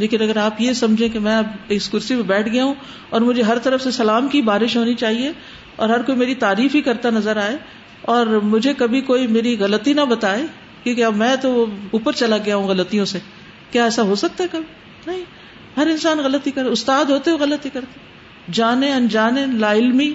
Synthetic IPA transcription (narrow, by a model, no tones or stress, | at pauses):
leːkɪnɐɡəɾaːpjesɐmd͡ʒʱẽkemɛ̃ːɐbeːskʊɾsimebɛːʈʰɡɐjaɦũ | ɔːɾmʊd͡ʒʱeɦɐɾt̪ɐɾəfsesɐlaːmkibaːɾɪʃɦoːnit͡ʃaːɦie | ɔ̰ːɾɦɐɾkoːimeːɾit̪aːɾiːfbikɐɾt̪anɐzəɾaːe | ɔːɾmʊd͡ʒʱekɐbʱikoːimeːɾiɣɐlət̪inɐbɐt̪aːe | kjõːkeɐbmɛ̃ːt̪ouːpəɾt͡ʃɐlaɡɐjaɦũɣɐlət̪ijõse | kjaːɛːsaɦoːsɐk̚t̪aɦɛkɐbʱi | nɐɦĩ | ɦɐɾɪnsaːnɣɐlət̪ikɐɾeʊst̪aːd̪ɦoːt̪eoɣɐlət̪ɦikɐɾt̪e | d͡ʒaːnẽɐnd͡ʒaːnẽlaːɪlmi